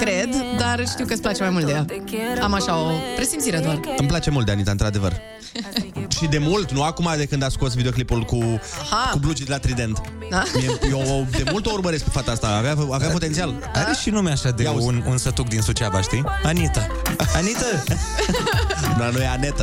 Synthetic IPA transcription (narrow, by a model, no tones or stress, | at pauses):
kɾed̪d̪arʃt̪iwkəsplat͡ʃemajmult̪d̪ejaamaʃaopɾesinsiɾed̪oarɨmplat͡ʃe̞mult̪d̪eanit̪aɨnt̪ɾad̪e̞vər | ʃid̪e̞mult̪nuakumad̪e̞kɨnd̪asko̞s̬vid̪eo̞klipulkuaakublut͡ʃid̪elat̪ɾid̪e̞nt̪ | amiejeod̪e̞mult̪ourbəɾe̞sk̚pefat̪aast̪aaveaaveapo̞t̪e̞nt̪ial | aɾeʃinumeaʃad̪eaununsət̪uk̚d̪insut͡ʃabaʃt̪ianit̪a | anit̪ə | nuanujeanet̪ə